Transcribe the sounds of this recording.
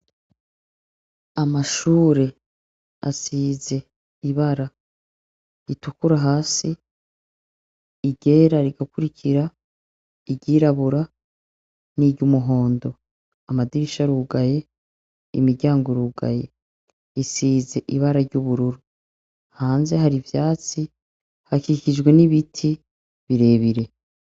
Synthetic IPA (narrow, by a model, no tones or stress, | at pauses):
amaʃuːɾe̞ | a̰siːze̞ | iβaɾa | itukuɾaɦaːsi | ɟe̞ːɾaɾiɡakuɾicʰiɾa | iɟiːɾaβuɾa | niɟumuɦo̞ːndo̞ | amadiɾiʃaɾuɡaje̞ | ḭmiɾɟaːŋɡoɾuːɡa̰je̞ | isiːze̞ʔiβaɾaɾɟuβuɾuɾu | haːnze̞ɦaɾivjaːt͡si | hakicid͡ʒɡwe̞niβitʰi | βiɾe̞ːβiɾe̞